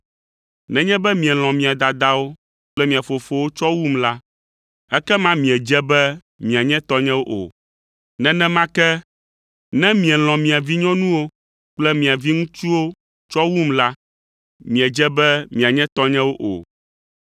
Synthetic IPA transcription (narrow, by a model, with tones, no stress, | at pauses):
nɛ̃˦ɲɛ̃˦bɛ˦mĩ˨ɛ˨l̃ɔ̃˨mĩ˨a˨d̪a˨d̪a˦wo˦ | k͡plɛ˦mĩ˨a˨fo˨fo˦wo˦t͡ʃɔ˦wu˦mla˦ | ɛ˦kɛ˦mã˦mĩ˨ɛ˨d͡ʒɛ˦bɛ˦ | mĩ˨a˨ɲɛ̃˦t̪ɔ˦ɲɛ̃˦wo˦ʔo̰˨ | nɛ̃˦nɛ̃˦mã˦kɛ˦ | nɛ̃˦mĩ˨ɛ˨l̃ɔ̃˨mĩ˨a˨vi˦ɲɔ̃˦nũ˦wo˦ | k͡plɛ˦mĩ˨a˨vi˦ŋũ˦t͡ʃu˦wo˦ | t͡ʃɔ˦wu˦mla˦ | mĩ˨ɛ˨d͡ʒɛ˦bɛ˦mĩ˨a˨ɲɛ̃˦t̪ɔ˦ɲɛ̃˦wo˦ʔo̰˨